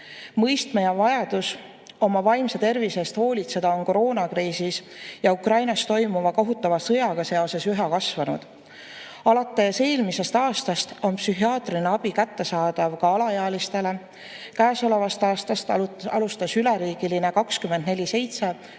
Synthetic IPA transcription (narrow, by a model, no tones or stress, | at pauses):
mɤjst̪mɑjɑvɑjɑd̪̥us | o̞mɑvɑjmset̪e̞rvise̞st̪ho̞ːlʲit̪se̞d̪̥ɑo̞nkoɾo̞ːnɑkriːsis | jɑukrɑjnɑst̪o̞jmuvɑkoɦut̪ːˑɑvɑsɤ̞jɑɡ̥ɑse̞o̞se̞syɦɑkɑsvɑnṵd̪̥ | ɑlɑt̪ːˑeseːlmise̞st̪ɑːst̪ɑst̪o̞npsyɦiɑːt̪rineɑb̥ikæt̪ːe̞sɑːd̪̥ɑvkɑɑlɑjɑɑːlist̪e̞le̞ | kæːso̞le̞vɑst̪ɑːst̪ɑst̪ɑlust̪ɑsylɛɾiːɡ̥iline̞kɑkskymend̪̥ne̞lʲise̞jt̪se̞